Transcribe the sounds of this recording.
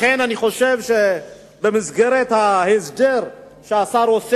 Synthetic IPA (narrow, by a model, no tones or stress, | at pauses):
enaniχo̞ʃevʃe | bemizɡeʁet̪hahesd̪eʁ | ʃeasaɾos